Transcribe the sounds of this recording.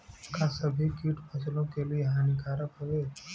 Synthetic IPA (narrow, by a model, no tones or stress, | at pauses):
kasəbʱikiːʈpəslõkelieɦãːnikaːɾəkɦoʋeː